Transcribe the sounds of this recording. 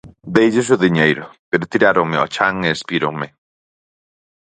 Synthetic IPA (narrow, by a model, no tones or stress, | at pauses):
d̪ejʒɪs̬ʊðiɲejɾʊpeɾʊt̪iɾaɾoŋmeɔ̰t͡ʃaŋeːspiɾoŋmɪ